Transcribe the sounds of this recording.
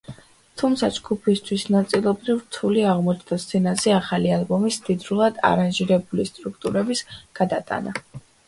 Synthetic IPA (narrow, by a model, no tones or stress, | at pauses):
t̪ʰumt̪sʰad͡ʒɡupʰist̪ʰwisnat̪sʼilˠɔbɾivɾt̪ʰuliaʁmɔt͡ʃʰd̪ast̪sɛnazɛaχalialˠbɔmisd̪id̪ɾulˠad̪a̰ɾanʒiɾɛbulist̪ʼɾuk̚ʰt̪ʼuɾɛbisɡ̥ad̪at̪ʼa̰na